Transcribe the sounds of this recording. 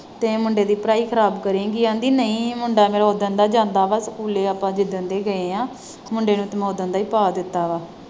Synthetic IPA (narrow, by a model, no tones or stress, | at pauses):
t̪eːmʊɳɖeːd̪iːpɾaːiːkʰəɾaːbkəɾẽːɡiːãːnd̪iːnəĩːmʊɳɖaːmeːɾaoːd̪ənd̪aːd͡ʒãːnd̪aːʋaːsəkuːleːaːpãːd͡ʒɪd̪ənd̪eːɡəeːãː | mʊɳɖeːnũːt̪əmoːd̪ənd̪aːiːpaːd̪ɪt̪ːaːʋaː